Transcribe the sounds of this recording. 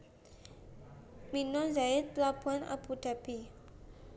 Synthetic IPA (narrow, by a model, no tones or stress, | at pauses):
minɔnzaɪt̪lab̥uana̰b̥ud̪̥a̤b̥i